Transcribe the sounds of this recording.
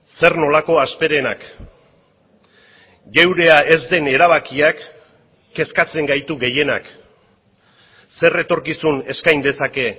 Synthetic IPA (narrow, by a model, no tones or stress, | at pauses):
se̞rno̞lako̞aspe̞ɾenak | ɡe̞wɾe̞aʔe̞zd̪e̞ne̞ɾaβ̞akiakː | e̞skat͡se̞ŋɡajt̪uɣe̞je̞nak | se̞re̞t̪o̞ɾkisune̞skajnd̪e̞sake̞